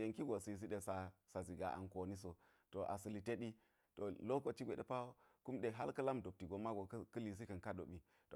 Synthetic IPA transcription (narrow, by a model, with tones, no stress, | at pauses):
je˨ŋki˦ɡo˨si˨i˨s̬i˦ɗe˨sa˨sa˨zi˨ɡa̰˨ʔa̰˨nko˨ni˦s̬o˨ | to˨ʔa̰˨sə˨li˨te˦ɗi˦ | to˨lo˦ko˨˦t͡ʃi˦ɡʷe˨ɗḛ˨˦pa˦wo˦ | ku˦mɗe˨ɦa˦lkɐ˦la˦mdo˨p̚ti˨ɡo˨˦ma˦ɡo˨˦kɐ˦li˨s̬i˦kɐ˨nka˦do˨ɓi˨ | to˨